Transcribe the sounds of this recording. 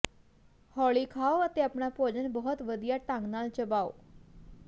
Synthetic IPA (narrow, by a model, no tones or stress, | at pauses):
hɔːɭiːkʰaːoət̪eəpɳapoːd͡ʒənbɔɦʊt̪ʋəd̪ijaːʈãŋɡnaːlt͡ʃəbaːo̰ː